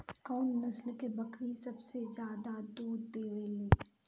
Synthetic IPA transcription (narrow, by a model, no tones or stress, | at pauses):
kɔːnːɐslkebɐkʰɾisɐbsed͡ʒjaːd̪ad̪uːɾd̪eːʋeleː